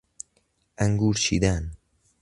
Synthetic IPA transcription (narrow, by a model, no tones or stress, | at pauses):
ɐŋɡuːɾʃḭːd̪aːn